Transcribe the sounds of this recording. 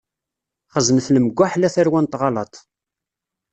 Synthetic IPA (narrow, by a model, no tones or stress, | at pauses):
χəzənθləməɡʷːaħlæθæɾwænt̪ʁɑlɑt̪ˤ